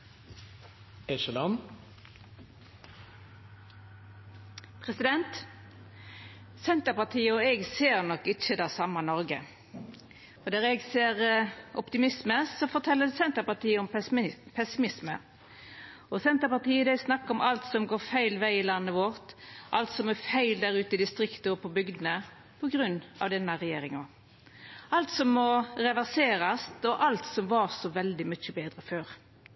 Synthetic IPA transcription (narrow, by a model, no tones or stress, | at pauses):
ɛʃəlɑn | pʰʁɛsɪd̪ɛnt̪ | sɛnt̪əpɑʁt̪ʰiːəɔɛɡseːʁnɔkːɪt͡ʃːəd̪ɑːsɑmːɑnɔʁɡə | fɔd̪æːʁɛɡseːʁʔɔpt̪ɪmɪsməsɔfɔʁt̪ʰɛlːəsɛnt̪əpɑt̪iːəɔmpʰɛsɪmɪsmə | ɔsɛnt̪əɾpɑt̪ʰiːəd̪æɪsnɑkːɔmʔɑlt̪sɔmɡoːɾfæɪlʋæɪɪlɑnːəʋɔɾt̪ʔɑlt̪sɔmæfæɪld̪æɾʉːt̪əɪd̪ɪst̪ʁɪkt̪əɔpʰɔbʏɡd̪ənə | pʰɔɡɾʉnːɑ̰ʋd̪ɛnːəʁɛjeːɾɪŋɔ | ʔɑlt̪sɔmːɔɾɛʋæʁseːɾɑst̪ɔʔɑlt̪sɔmʋɑɾsɔʋɛld̪ɪmʏt͡ʃəbeːd̪ɾəføːɾ